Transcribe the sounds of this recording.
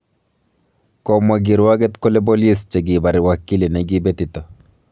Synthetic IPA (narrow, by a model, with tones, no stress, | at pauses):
kɔma˨ɡɪ˨ɾwaɡɛ˦t̪ko˦le˦bo˦li˦st͡ʃe˨ɡi˨ba˨ɾɪ˨waki˦li˨nɛ˨ɡi˦be˦t̪ɪt̪ɔ˨